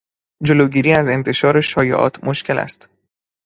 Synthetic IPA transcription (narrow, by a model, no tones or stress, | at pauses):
d͡ʒoloːɟiːɾiːæze̞nt̪ʰe̞ʃɒːɾe̞ʃɒːjḛʔɒ̰ːt̪ʰmoʃcʰe̞læ̰st̪